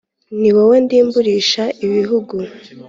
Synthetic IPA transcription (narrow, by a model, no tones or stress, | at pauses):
niwowendiːmbuɾiːʃaiβiɦuɡu